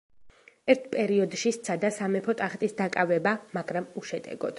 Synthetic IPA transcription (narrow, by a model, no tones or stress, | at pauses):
ɛɾt̪ʰpʼɛɾiɔd̪ʃist̪sʰad̪asamɛpʰɔt̪ʼaχt̪ʼisd̪akʼavɛbamaɡɾamuʃɛd̪ʼɛ̰ɡɔ̰d̪̥